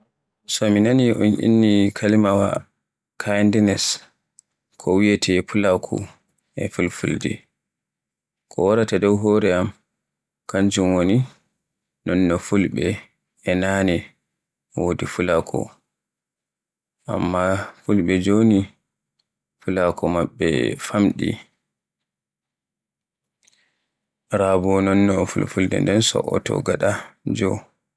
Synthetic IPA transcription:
sɔminaniʔɔnʔḭnːikʰalimawa̰ | kʰajndɛnɛs | kʰɔwijɛtʰɛpulakʰṵ | ɛ̰fulfṵldḭ | kʰɔwaɾatadɔwɦɔɾɛam | kaɲd͡ʒumwoni | nɔnːɔfulɓɛ | ɛnanɛ | wodifulakʰɔ̰ | ʔa̰mːafulɓɛd͡ʒoni | fulakʰɔmaɓːɛ̰famɗḭ | ɾabunɔnːɔfulfuldɛ̰ndɛnsɔ̰ʔɔ̰tɔ̰ɡaɗad͡ʒɔw

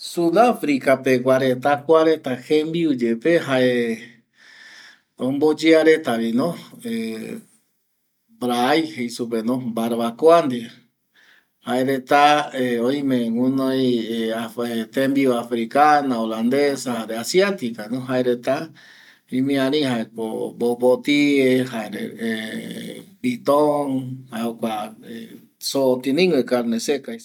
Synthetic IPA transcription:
suðafɾikape̞ɡʷaɾe̞t̪akʷaɾe̞t̪ahẽmbiud͡ʒepeɦaʔe | õmbod͡ʒeaɾe̞t̪aβinõe | bɾaːjhejsup̬enõmbaɾβakoand̪i | haeɾe̞t̪aeõĩmẽŋũnõjeaet̪embioafɾikanaoland̪esahaɾeasiat̪ikanõɦaeɾet̪a | ĩmĩãɾĩhaepo̰bopot̪iehaeɾḛe | bit̪oŋhaeokʷae | soːt̪inĩŋwekaɾnesekaj

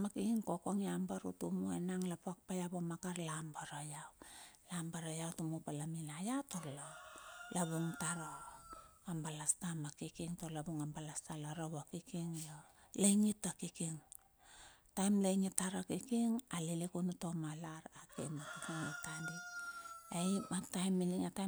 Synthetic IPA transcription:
makikiŋkokoŋiambaɾṵtumuenaŋlapoak̚pajabomakaɾlambaɾajawlambaɾajawtumupalaminajatolalaβuŋtaɾo | ambalastamakikiŋtolabuŋambalastalaɾoβakikiŋjolajŋitːakikiŋ | tajmlajŋitːaɾakikiŋalilikunuto̞malaɾakḛmakikiŋetandi | ejmatajmːiliŋata

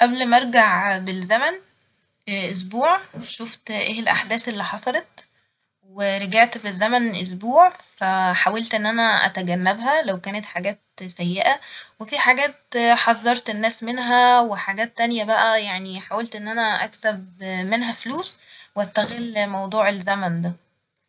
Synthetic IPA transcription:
ʔæblmæʔeɾˤɡaʕbelzæmæn | ʔos̬buːʕʃoft̪ʔeːelʔaħd̪æːsʔelːiːħɑsˤɑlet̪̚ | weɾˤeɡaʕt̪bezːæmænʔos̬buːʕfæħawælt̪ʔenːʔænæʔæ̰t̪æɡænːæbɦælæwkæːnet̪ħaɡæːt̪sæjːeʔæwefiħaɡæːt̪ħɑzˤːɑɾˤt̪enːæːsmenɦæweħaɡæːt̪ːænjæbæʔæjaʕniħawælt̪ʔenːʔænæʔæ̰ksæbmenɦæfluːswʔæst̪æɣelːmɑwd̪ˤuːʕelzæmænd̪æ

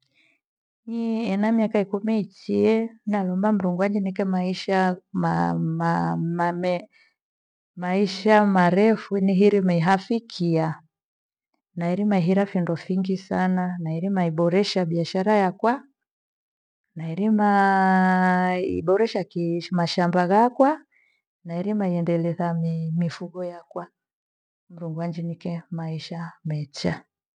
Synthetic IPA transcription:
ɲiɛnamiakaikumɛit͡ʃiɛnnalɔmbam̩ɾuŋɡwad͡ʒinikɛmaiʃam | mmɛ | maiʃamaɾɛfuniɦiɾimaiɦafikʰia | naiɾimaiɦiɾafindɔfiŋɡisananaiɾimaiɓɔɾɛʃaɓiaʃaɾajakwa | naiɾima | ḭɓɔɾɛʃakimaʃambaɣakwa | naɛɾimaiɛndɛlɛzamimifuɡɔjakwa | m̩ɾuŋɡwand͡ʒinikɛmaiʃamɛt͡ʃa

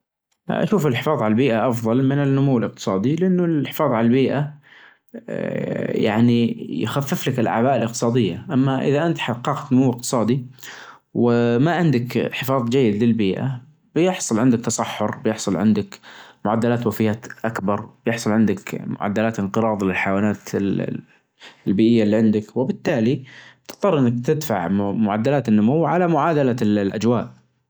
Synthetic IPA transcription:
ʔa̰ʃuːfɪlħɪfɑːðˤʕalalbiːʔaʔɑfðˤɑlmɪnɪnːʊmuwːɪlɪq̚t̪ɨ̥sˤɑːd̪ilɪʔanːʊlħɪ̥fɑːðˤʕalalbiːʔa | ja̰ʕnij̰xafːɪflakɪlʔa̰ʕbaːʔɪlʔɪq̚t̪ɨ̥sˤɑːd̪ɪjːaʔamːaʔɪ̰ðaʔɪnt̪ħɑqːɑːqt̪nʊmuwːɪq̚t̪ɨ̥sˤɑːd̪i | wɪmaʕɪnd̪akħɪfɑːðˤd͡ʒajːɪd̪lɪlbiːʔa̰ | b̥jɪħsˤʊlʕɪnd̪ɪk̚t̪ɑsˤɑħːʊɾbjɪħsˤʊlʕɪ̰nd̪ɪkmʊʕad̪ːalaːt̪wafɪjːaːt̪ʔakbɑɾˤb̥jɪħsˤʊlʕɪnd̪ɪkmʊ̰ʕa̰d̪ːalaːt̪ʔɪnqɨɾˤɑːðˤlɪlħajawaːnaːt̪ | lbiːʔɪjːalːiːʕɪnd̪ɪkwɪbɪt̪ːaːli̥t̪ɨ̥t̪ˤːɑɾˤʔɪnːakt̪ɪd̪fa̰ʕmʊʕa̰d̪ːalaːt̪ɪnːʊmuwːʕalamʊʕaːd̪alalʔa̰d͡ʒwa̰ːʔ

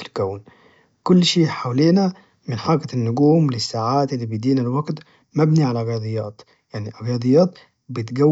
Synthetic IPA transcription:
lkæwn | kʊlːʃiːħawleːna | mɪnħɑɾˤɡanːʊɡuːmlɪsːaːʕaːt̪ɪlːibijd̪iːnalwaɡt̪ | mæbniʕalaɣjɑd̪ˤɨjːɑːt̪ | jaʕniʔɣjɑd̪ˤɨjːɑːt̪ | bɪt̪ɡæ

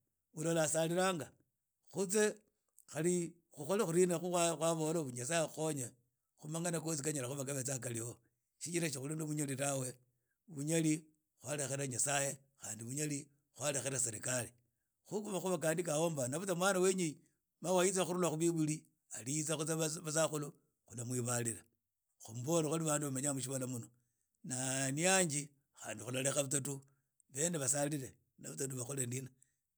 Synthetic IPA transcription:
ulolasaliɾaːŋɡa | xut͡se̞ | xali | xuxolaxuɾinaxuwaxwaβoloβuɲasajexoɲe | xumaŋanakos̬ikaɲalaxuβakaβet͡sak̬alio | ʃit͡ʃiɾaʃixulinoβuɲaliɾawe | βuɲali | xwalexeɾaɲasaje | xaːndiβuɲali | xwalexeɾaseɾḭkali | xukuβaxuβak̬aːndikao̞mbanaβut͡samwaːnaweɲi | mawajit͡saxuɾulaxuβiβuli | aliit͡saxut͡saβasaxulu | xulamwiβalila | xumuβo̞lexaliβaːnduβamaɲamuʃ̬iβalamuno | naniaɲd͡ʒi | xa̰ːndixulalexaβut͡satu | βe̞neβasalile | naβut͡satuβaxolendina

